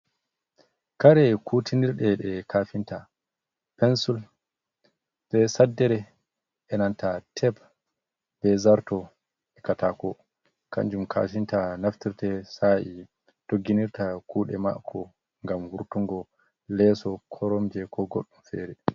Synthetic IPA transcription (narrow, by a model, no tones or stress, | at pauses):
kaɾɛkʰutʰiniɾɗɛɗɛkʰaːfinta | pɛnsul | sɛsadːɛɾɛ | ʔɛnantatʰɛp | b̥ɛzaɾtɔ | ʔɛkatakɔ | kʰa̰ɲd͡ʒumkʰa̰ːfintanaftiɾtɛsaʔi | d̥oɡːiniɾtakuːɗɛma̰kʰːɔ | ŋɡamhuɾtuŋɡɔ | lɛsɔkʰɔɾɔmd͡ʒɛkʰɔɡoɗːumfɛ̰ɾɛ